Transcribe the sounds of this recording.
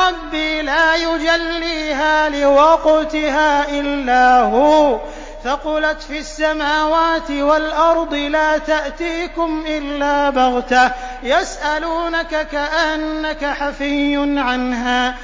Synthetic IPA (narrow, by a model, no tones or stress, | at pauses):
ɾˤɑbːiːlaːjʊd͡ʒalːiːɦaːlɪwɑqʊt̪ɪɦaːʔɪlːaːhʊː | fɑqʊlat̪fiasːamaːwaːt̪ɪwalʔɑɾˤd̪ˤɨlaːt̪aʔt̪iːkʊmʔɪlːaːbɑɣt̪a | jasʔaluːnakakaʔanːakaħafɪjːʊnʕanɦaː